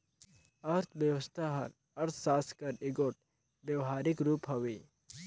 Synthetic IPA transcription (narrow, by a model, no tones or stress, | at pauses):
ɐɾt̪ʰbjəwəst̪ʰaɦɐ̰ɾ | ɐɾt̪ʰsaːskɐɾɪɡoʈ̚ | bjəʋɦaːɾɪkɾuːpɦɐʋiː